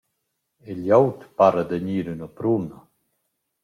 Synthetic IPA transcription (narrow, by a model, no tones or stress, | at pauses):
eʎawt̪paɾad̪əɲiːɾynəpɾuna